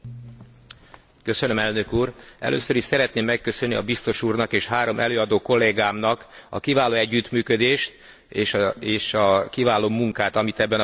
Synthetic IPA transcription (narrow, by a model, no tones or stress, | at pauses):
kø̞sø̞nø̞mɛlnø̞kuːrɛ̰lʔø̰ːsøɾiʃsɛɾɛt̪neːmːɛkːø̞sønːiɒbist̪o̞ʃuːrnɒkeːʃhaːɾo̞mʔɛ̰løːɒd̪oːko̞lːeːɡaːmnɒkɒ̰kivaːloːɛɟːyt̪myːkø̞d̪eːʃt̪ | eʃeːʃɒkivaːloːmuŋkaːt̪ɒmit̪ɛbːɛn